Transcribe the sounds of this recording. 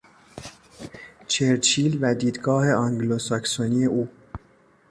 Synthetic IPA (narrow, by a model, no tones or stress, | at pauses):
t͡ʃʰeɾt͡ʃʰiːlvæd̪iːd̪ɡɒːhe̞ʔɒŋɡlosæksoniːe̞ʔuː